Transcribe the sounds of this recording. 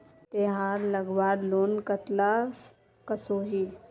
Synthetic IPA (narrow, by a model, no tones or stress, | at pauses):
t̪eɦaːɾləɡʋaːɾloːnkət̪la | kəsoːɦiː